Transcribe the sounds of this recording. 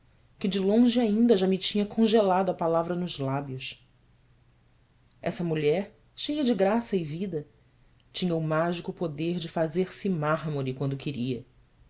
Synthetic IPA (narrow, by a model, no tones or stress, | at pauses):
kɪd͡ʒɪlõʒɪaĩnd̪ɐʒamɪt͡ʃĩɲɐkʰõʒelad̪ʊɐapalavɾɐnʊzlabjʊʃ | ɛsɐmuʎɛɾ | ʃejɐd͡ʒɪɡɾasɐɪvid̪ɐ | t͡ʃĩɲɐumaʒikʊpod̪eɾd͡ʒɪfazeɾsɪmaɦmoɾikwɐ̃nd̪ʊkʰɪɾiɐ